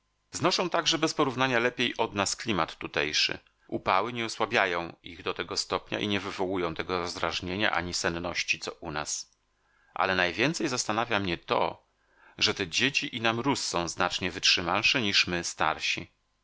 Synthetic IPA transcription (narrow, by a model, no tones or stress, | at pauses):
znɔʂɛ̃w̃t̪aɡʐɛbɛspɔɾuvnaɲalɛpʲjejʔɔd̪nasklʲimat̪ːut̪ɛjʂɘ̰ | upawɘɲɛɔswabʲjajɔ̃w̃iɣd̪ɔt̪ɛɡɔst̪ɔpɲa̰ʔiɲɛvɘvɔwujɔ̃w̃t̪ɛɡɔɾɔzd̪ɾaʐɲeɲa̰ʔa̰ɲisɛnːɔɕt͡ɕit̪sɔʔuna̰s | ʔa̰lɛnajvʲjɛnt̪sɛjzast̪anavʲjamɲɛt̪ɔ̰ | ʐɛt̪ɛd͡ʑet͡ɕiʔinamɾusːɔ̃w̃znat͡ʂɲɛvɘtʂɘmalʂɛɲiʂmɘst̪a̰ɾɕḭ